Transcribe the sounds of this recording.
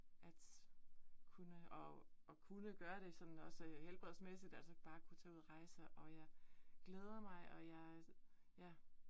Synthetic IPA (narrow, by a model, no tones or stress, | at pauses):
ʔæd̥ | kʰunəɒɒ̽kʰunəɡ̥ɶːɐɾ̥e̝sɒ̽d̥n̩ɒ̽shelb̥ʁɛðˠsmesid̥ælsəb̥ɑ̈ːkʰut͡sʰɛːuðˠʁɑ̈ɪsəʔɒ̽jɑ̈ɪɡ̥leːð̞ˠɐmɑ̈ɪʔɒ̽jɑ̈ɪ | jæ